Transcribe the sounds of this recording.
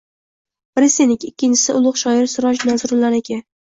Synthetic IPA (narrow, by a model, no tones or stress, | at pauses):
bɪɾɪsenɪkʲɪkʲʰːɪnt͡ʃʰɪ̥sɪʔʊlˠʊqʃɒɪɾsʊɾɒʃnazʊɾʊlaɾekʲa